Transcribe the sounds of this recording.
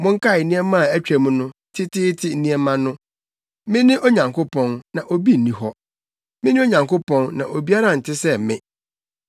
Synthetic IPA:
mʊ̃˦ŋ̩˦kʰa˦˨ɪ˨nĩ˦ɛ˦mã˦˨æ˦t͡ɕᶣæ˨mũ˦nʊ̃˦tʰɪ˦tʰɪ˦tʰɪ˦n̩˦nĩ˦ɛ˦mã˦nʊ̃˦ | mɪ̃˦nɪ̃˦ʔo˦ɲã˨ŋkʰo˦pʰɔ̃˨nnã˨ʔo˨bi˦n̩˨nĩ˨ɦɔ˦ | mɪ̃˦nɪ̃˦o˦ɲã˨ŋko˦pɔ̃˦nnã˨ʔo˨bi˦a˦ɾa˦˨n̩˨tʰɪ˦sɛ˦˨mɪ̰̃˦˨

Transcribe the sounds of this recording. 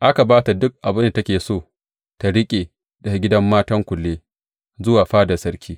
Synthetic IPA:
ʔa˦ka˨baː˦ta˨dʊ˦k̚ʔa˨bɪ˦nda˨tɐ˦kʲeː˨soː˦˨ | ta˨ɽɪ˦kʲʼeː˨ | dɐ˨ɡʲɪ˦dɐ˦mːaː˦tɐ˦ŋkʷʊ˨lːeː˦ | zʊ˦waː˨ɸaː˦da˨sɐ˦ɾkʲʰiː˦

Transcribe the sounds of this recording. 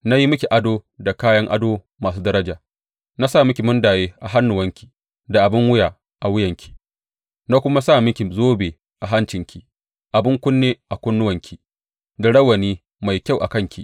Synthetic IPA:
na˦ji˦mʊ˦kʲi˨ʔa˦doː˦da˨kaː˦jɐ˦ŋʔa̰˦doː˦ | maː˨s̬uː˦dɐ˦ɾɐ˦d͡ʒaː˨ | na˦saː˦˨mʊ˦kʲi˨mʊ˦ndaː˨jeː˦ʔa˨ɦa˦nːʊ˨wɐ˦ŋkʲi̥˨ | da˨ʔa˨bɪ˦ŋwʊ˦ja˨ | ʔa˨wɪ˦jɐ˨ŋkʲʰi̥˨ | na˦kʷʊ˦ma˦saː˦˨mɪ˦kʲi˨zoː˦beː˨ | ʔa˨ɦa˦nt͡ʃɪ˨ŋkʲi˨ | ʔa˨bɪ˦ŋkʷʊ˦nːeː˦ʔa˨kʷʊ˦nːʊ˦wɐ˨ŋkʲʰi˨ | da˨ɽɐ˦wɐ˨niː˦ | ma˨jkʲa˦˨wʔa̰˨kɐ˦ŋkʲḭ˨ʔ

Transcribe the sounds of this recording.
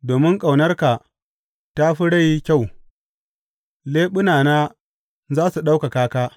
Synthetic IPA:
doː˨mɪ˦ŋkʼa˨wnɐ˦rka˨ | ta˦ɸi˦ɽa˦ji˦kʲa˦˨w | leː˦ɓʊ˦naː˨naː˦ | zaː˦su˨ɗa˦wka˨kaː˦kaː˦

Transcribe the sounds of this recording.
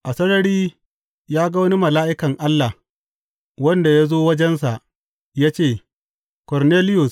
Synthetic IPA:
ʔa˨sɐ˦nɐ˦ɽiː˦ | jaː˦ɡɐ˦wɐ˦ni˦mɐ˨laː˦ʔɪ˦kɐ˨ŋʔa˦lːa˨ | wɐ˦nda˨ja˦zoː˦wɐ˦d͡ʒɛ˦ns̬a˨ʔ | jaː˦t͡ʃeː˦˨ | kɔ˨ɾneː˦lɪ˦jʊ˨s

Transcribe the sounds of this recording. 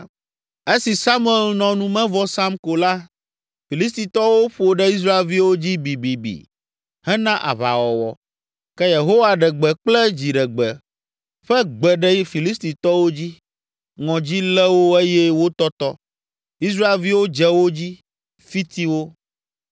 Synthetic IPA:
e˦si˨sa˦mu˦ɛ˨lnɔ̃˨nũ˦mɛ̃˦vɔ˦sa˦mko˨la˦ | fi˨li˦s̬t̪i˨t̪ɔ˦wo˦ɸo˨ɖɛ˦i˦s̬ɾa˦e˨lvi˦wo˦d͡ʑi˦bi˨bi˨bḭ˨ | hɛ˦nã˦ʔa̰˨βa̰˨wɔ˨wɔ̰˨ | kɛ˦je˨ɦo˦wa˨ɖɛ˨ɡ͡bɛ˨k͡plɛ˦d͡ʑi˨ɖɛ˨ɡ͡bɛ˨ | ɸɛ˦ɡ͡bɛ˨ɖɛ˦fi˨li˦st̪i˨t̪ɔ˦wo˦d͡ʑi˦ | ŋɔ̃˨d͡ʑi˦lɛ˦wo˦e˦jɛ˦wo˦t̪ɔ˦t̪ɔ˦ | i˦s̬ɾa˦e˨lvi˦wo˦d͡ʒɛ˨˦wo˦d͡ʑi˦ | fi˦t̪i˦wo˦

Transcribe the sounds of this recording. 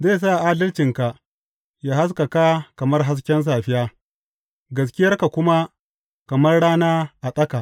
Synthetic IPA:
zeː˦˨s̬aː˦˨ʔaː˦dɐ˦lt͡ʃɪ˨ŋka˨ | jaː˦ha˦s̬kɐ˨ka˦kɐ˨mɐ˦rɦa˦s̬kʲɛ˦ns̬aː˨ɸɪ˦jaː˦ | ɡɐ˦s̬kʲɪ˦jɐ˦rka˨kʷʊ˦ma˦ | kɐ˨mɐ˦rɽaː˦naː˦ʔa˨sʼɐ˦ka˨ʔ

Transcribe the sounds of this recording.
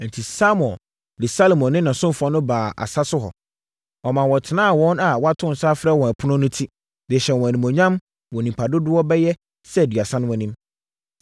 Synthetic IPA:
n̩˨tʰi˨sa˦m˨ɔ̃˨ | dɪ˨sa˦lo˨mɔ̃˨nːɪ̃˦nã˨sʊ̃˦m˨fɔ˨˦nʊ̃˦baː˨a̰˨sa˦sʊ˦ɦɔ̰˨ | ɔ˨mã˨wɔ˨tʰɪ˨nãː˦a˨wɔ̃˦na˨wɔ˦a˦tʰʊ̃˦n̩˨saː˦fɾɛ˦˨wɔ̃˨æ˨pʰʊ˦nʊ̃˦nʊ̃˦tʰi˦ | dɪ˨ɕɛ˨nwɔ̃˨æ˨nĩ˨mɔ̃˨ɲã˦m | wɔ̃˨nĩ˨pʰa˨dʊ˦dʊ˦ɔ˦bɛ˦jɛ˦ | sɛ˦˨dɥa˨sã˦nʊ̃˦wɔ̃˨nĩ˦m

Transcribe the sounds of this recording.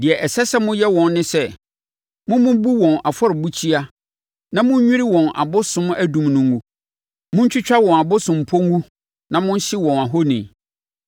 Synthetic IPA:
dɪ˨ɛ˨ʔɛ˨sɛ˦sɛ˦mʊ̃˦jɛ˦wɔ̃˨nːɪ̃˦sɛ˦ | mʊ̃˦mʊ̃˦bu˦wɔ̃˨na˨fɔ˦ɾɪ˨bu˦t͡ɕʰi˦a˦ | nã˦mʊ̃˦ɲ˦ɲᶣʊ̃˦ɾɪ˦wɔ̃˨na̰˨bʊ˦sʊ̃˦mæ˦dũ˨mnʊ̃˨ŋ˦ɡũ˦ | mʊ̃˦ɲ̩˦t͡ɕᶣɪ˦t͡ɕᶣa˦wɔ̃˨na˨bʊ˦sʊ̃˨m̩˨pʰɔ˦ŋ˦ɡũ˦ | nã˨mʊ̃˦n̩˦ɕɪ˦wɔ̃˨na˨ɦo˦nḭ̃˨

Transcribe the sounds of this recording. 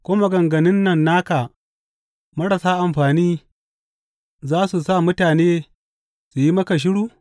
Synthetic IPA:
kʷoː˦ma˦ɡɐ˨ŋɡɐ˨nɪ˦nːɐ˨nːaː˦ka˨ | mɐ˦ɽɐ˨saː˦ʔa˨mɸaː˨niː˦ | zaː˦su˨sa˦˨mʊ˦taː˨neː˦ | su˨ji˦mɐ˦ka˨ʃ̬ɪ˦ɽuː˦

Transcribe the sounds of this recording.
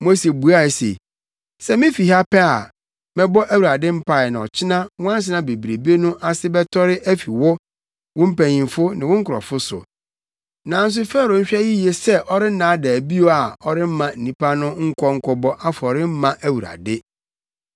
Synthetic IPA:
mo˦se˨bu˨˦a˦˨sḛ˨ | sɛ˦mɪ̃˦fi˨ɦa˦pɛ˦a˨ | mɪ̃˦bɔ˦ʔæ˦wu˨ɾa˨dɪ˦m̩˦pʰa˨nã˨ɔ˨t͡ɕʰɪ˦nã˦wʊ̃˦ã˦n˦s̬ɪ˦nã˨be˨bɾe˨be˦nʊ̃˦ʔa˨sɪ˦bɛ˦tʰɔ˦ɾɪ˦ʔæ˦fi˨wɔ˦ | wʊ̃˦m̩˦pæ̃˨ɲĩ˨nfʊ˦nɪ̃˨wʊ̃˦ŋ̩˦kʰʊ˨ɾɔ̰˨fʊ˦sʊ̰˨ | nã˨n̩˦s̬ʊ˦fɛ˦˨ɾʊ̃˨ɲ̩˦ɕᶣɛ˦jɪ˦je˦sɛ˦ʔɔ˦ɾɪ˦n̩˦nãː˨˦dɛ˨æ˨bi˦o˨a˨ɔ˨ɾɪ˦m̩˦mã˨n̩˨nĩ˦pʰa˦nʊ̃˦ŋ̩˦kʰʷɔ˦ŋ̩˦kʰɔ˦bɔ˦ʔa˦fʊ˨ɔ˨ɾɪ˦m̩˦mã˦ʔæ˦˨wu˨ɾa̰˨dɪ˦

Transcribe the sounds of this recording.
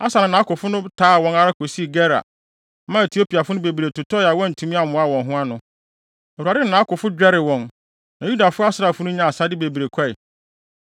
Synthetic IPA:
a˦sa˨ɪ̃˨nã˦kʊ˨fʊ˦nʊ̃˦tʰaː˦˨wɔ̃˨˦na˦ɾa˦kʰo˨si˦˨ɡɛ˦ɾa̰˨˦ | mã˦e˨tʰi˨o˦pi˨a˨fʊ˦nʊ̃˦be˨bɾe˨tʊ˨tʰɔ˦ja˨wɔ̃˦n̩˨tʰũ˦mĩ˦a˦˨mʊ̃˨˦a˨wɔ̃˨nɦʊ̃˦a˦nʊ̃˨ | e˨a˨dɪ˦˨nã˨˦kʊ˨fʊ˦d͡ʑᶣɛ˦ɾɪ˨wɔ̃˨n | nã˨ju˦da˨fʊ˦a˦sɾa˨fʊ˦nʊ̃˦ɲã˨a˨sa˦dɪ˦be˨bi˨ɾe˨kʰa˦ɪ˨

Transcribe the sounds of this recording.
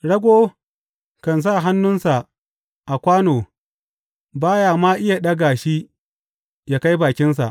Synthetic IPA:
ɽɐ˦ɡʷoː˦ | kɐ˨ns̬a˦˨ɦa˦nːʊ˦nsa˨ʔ | ʔa˨kʷaː˦noː˨ | baː˦jaː˨maː˦ʔɪ˦ja˨ɗɐ˦ɡa˨ʃi˦ | jaː˦ka˦jbaː˨kʲɪ˦ns̬a̰˨ʔ

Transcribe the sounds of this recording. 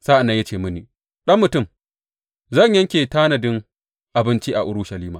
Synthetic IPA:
sa˦ʔa˨nːa˨˦jɐ˦t͡ʃeː˨mʊ˦niː˨ | ɗɐ˦mːʊ˨tʊ˦˨m | zɐ˦˨ɲjɐ˦ŋkʲeː˨taː˦nɐ˨dɪ˦ŋ | ʔa˨bɪ˦nt͡ʃi˦ʔa˨ʔʊ˦ɽʊ˦ʃɐ˨liː˦maː˨

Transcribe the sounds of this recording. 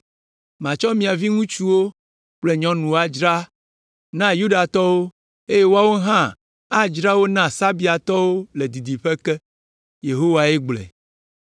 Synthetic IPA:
mã˨t͡ʃɔ˦mĩ˨a˨vi˦ŋũ˦t͡ʃu˦wo˦ | k͡ple˨ɲɔ̃˦nũ˨a˨d͡ʒɾa˦ | nã˦ju˦ɖa˨t̪ɔ˦wo˦ | e˦je˦wo˦a˨wo˦ɦã˦ | a˦d͡ʒɾa˦wo˦nã˦sa˦bi˦a˨t̪ɔ˦wo˦le˨d̪i˨d̪i˨ɸe˦kɛ˦ | je˨ɦo˦wa˨ɛ˦ɡ͡blɛ̰˨

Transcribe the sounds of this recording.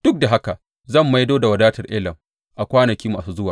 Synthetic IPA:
d̥ʊ˦k̚da˨ɦa˦ka˨ | zɐ˦˨mːa˦jdoː˦da˨wɐ˨daː˦tɐ˨rʔeː˦lɐ˨m | ʔa˨kʷaː˦nɐ˨kʲiː˦maː˨suː˦zʊ˦waː˨

